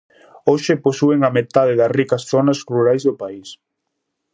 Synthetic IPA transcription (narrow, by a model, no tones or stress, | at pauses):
oʃɪposueŋɐmet̪aðeðɐsrikɐsθonɐsruɾajzðʊpais